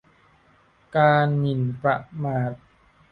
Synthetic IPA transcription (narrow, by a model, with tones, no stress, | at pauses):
kaː˧nːi˨˩npɾa˧ʔmaː˨˩t̪̚